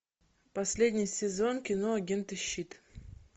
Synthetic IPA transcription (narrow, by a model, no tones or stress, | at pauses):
pɐsʲlʲedʲnʲɪjsʲɪzo̞nkʲɪno̞ɐɡʲe̞nt̪ɨɕːit̪